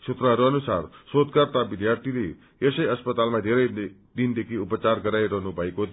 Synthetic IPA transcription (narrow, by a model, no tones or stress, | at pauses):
t͡sʰut̪rʌɦʌɾuʌnusarsod̪̚kart̪abid̪jart̪ʰile | esʌjʌspʌt̪almad̪ʱeɾʌj | d̪ind̪ekʰiupʌt͡sarɡʌɾajɾʌɦnubʱʌeko